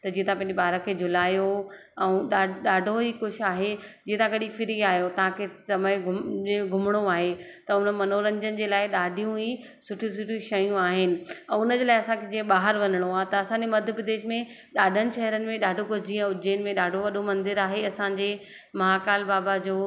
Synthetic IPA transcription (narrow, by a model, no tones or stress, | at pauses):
t̪ɐd͡ʑĩːẽt̪ʰãpɐ̃ɦɪ̃ɲd͡ʑebɓaːɦɾəkʰeːd͡ʑʱʊlaːjo | ɛ̃ːɗaːɗaːɖʱoɦikʊʃaːɦed͡ʑiːẽt̪ʰãɡʱɐɗifɪɾiaːɦjot̪ɐɦãkʰesɐməɡʱʊd͡ʑeɡʱʊmɽ̃oaːɦet̪ɐʊnəmɐnoːɾə̃ɲd͡ʑənɪ̆d͡ʑeːlaːɪɗaːɖʱijũɦi | sʊʈʰĩsʊʈʰijũʃɐjũaːɦɪnɪ̆ɛ̃ːʊnəd͡ʑeːlaːɪɐsãkʰed͡ʑĩːə̃ɓaːɦəɾʋɐnəɽ̃oaːt̪ɐɐsãɲd͡ʑemɐd̪ʱjəpɾɪd̪eːʃmẽ | ɗaːɖʱənɪ̆ʃɛɦəɾənɪ̆mẽɗaːɖʱokʊd͡ʑiːə̃ʊd͡ʑiːənɪ̆mẽɗaːɖʱoʋɐɗomɐ̃nd̪ɪɾaːɦeɐsãɲd͡ʑeː | mɐɦakaːlbaːbad͡ʑoː